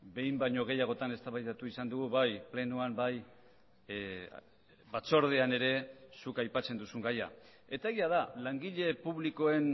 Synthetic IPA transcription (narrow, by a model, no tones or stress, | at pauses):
be̞jmbaɲo̞ɣ̞e̞jaɣ̞o̞t̪ane̞st̪aβajt̪at̪uisand̪uɣ̞uβajple̞nuambaj | βat͡so̞ɾð̞eane̞ɾe̞sukajpat͡se̞nd̪usuŋɡaja̰ | e̞t̪ae̞ɣiað̞alaŋɡiʎe̞puβliko̞e̞n